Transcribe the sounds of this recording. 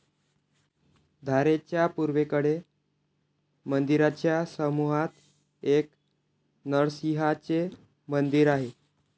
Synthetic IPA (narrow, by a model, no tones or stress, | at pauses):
d̪ʱaɾet͡ɕjapuɾʋekəɽe | mənd̪iɾat͡ɕjasəmuɦat̪ | ek̚ | nəɭsiɦat͡se | mənd̪iɾaɦe